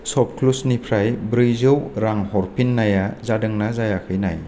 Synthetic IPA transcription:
sɔp̚kʰlusnipʰɾajbɾɯjzɯwɾaŋhɔɾpinːajazadɯŋnazajakʰɯjna̰j

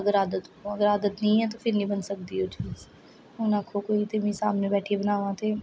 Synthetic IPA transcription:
ɐɡəɾaːd̪ət̪õɐɡəɾaːd̪ət̪nɐĩɦɛ̃t̪̬opʰɪɾnəĩbənsək̚d̪iːɦoːt͡ʃiːz | oːnakʰokoːit̪emĩsaːmnebɛːʈʰebənaːʋãːt̪ʰeː

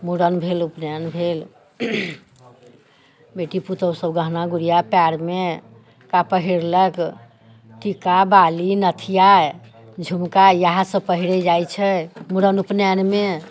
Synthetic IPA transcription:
muɽənbʱelupnanbʱel | beʈiput̪əwsəbɡəɦnaɡuɽijapaɾme | kapəɦiɾlək | ʈikabalinət̪ʰija | d͡ʒʱumkajəɦãsə̃pəɦiɾɛd͡ʒajt͡ʃʰɛmuɽənupnanme

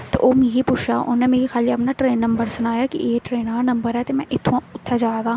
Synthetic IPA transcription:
t̪ḛʔoːmiːɡipʊt͡ʃʰaːʊ̰nnemeːɾixaːliɐpnaʈɾeːnːɐ̃mbəɾsʊnaːjakḭeːʈɾeːnaːnɐ̃mbəɾɦɛt̪emɛ̃ʔɪt̪ʰːõʊt̪ʰːad͡ʒaːt̪aː

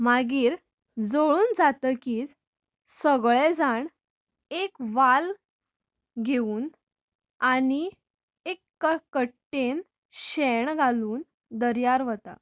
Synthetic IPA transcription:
maɡiːɾ | d͡zoɭuːnd͡zat̪əkiːd͡z | səɡɭed͡zaɳ | ekʋal | ɡʱeuːn | aɽ̃i | ekːəkəʈːen | ɕeɳɡʱaluːn | d̪əɾjaɾʋət̪a̰

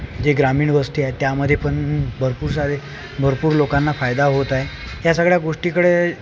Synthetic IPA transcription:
d͡ʑeɡɾamiːɳʋəst̪iaet̪jaməd̪ʱːjepəɳbʱəɾpuːɾs̬ad̪e | bʱəɾpuːɾlokanːafajd̪aɦot̪aejasəɡɭjaɡoʂʈikəɽe

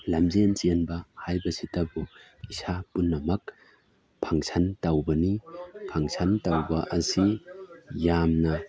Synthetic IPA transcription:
lamzent͡ʃnbɐhajbɐsitɐbu | isapunːɐmɐk | pʰaŋsantawbɐnipʰaŋsʰantawbɐʔɐsi | jamnɐ

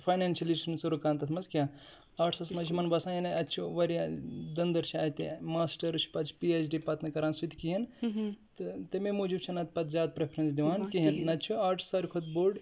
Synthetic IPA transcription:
pʰaːjnaːnʃʲɐlisnsɐɾukaːnt̪ɐt̪ʰmɐzkʲjaː | aːʈʰsɐsmɐzt͡ʃʰimɐnbɐsãːjinɐɐtːt͡ʃʰuʋɐɾijad̪ɐnd̪ɐɾt͡ʃʰiaːt̪ḭmaːsʈɐɾt͡ʃʰi̥pɐt͡ʃʰpiet͡ʃɖipɐt̪nɐkɐɾaːnsut̪kiɦɐnt̪ɨt̪ɐmemuːd͡ʒib̚t͡ʃʰɐnɐt̪pɐt̪zʲaːd̪̚pɾepʰɾɐns̬d̪iʋaːnkiɦɐnnɐt̪ːt͡ʃʰuaːʈʰsɐɾkʰot̪boɾɖ

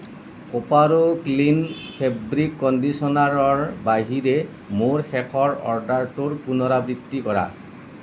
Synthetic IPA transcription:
kopaɹoklinpʰebɹikːɔndisɔnaɹɔɹbaɦiɾɛ | moɹxɛkʰɔɹɔ̰ɹdaɹtuɹpunɔɾabɹitːikɔɹa̰

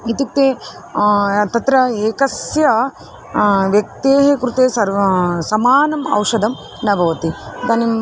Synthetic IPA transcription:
it̪ik̚t̪eː | t̪ɐt̪ɾɐeːkɐsjɐ | ʋjɐk̚t̪eːɦekɾut̪eːsɐɾsɐmaːnɐmɐ̰wʂɐd̪ʱɐm | nɐbʱɐʋɐt̪id̪ɐnim

